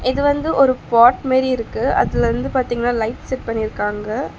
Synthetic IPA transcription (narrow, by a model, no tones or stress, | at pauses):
ʔɪðɯʋɐnd̪ɯʔɔɾɯpaːʈmeːɾiɪɾɯkːɯɐ̰ðɪlɐɾɯnd̪ɯpaːɾt̪iːŋɡɐnːaːlɐɪʈsɛʈ̚pɐɳːɪɪɾɯkːaːŋɡɐ